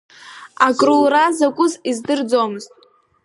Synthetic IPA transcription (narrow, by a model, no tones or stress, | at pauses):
akʼrulrazakʷʼʊzizdɨrd͡zomɨz̥tʼ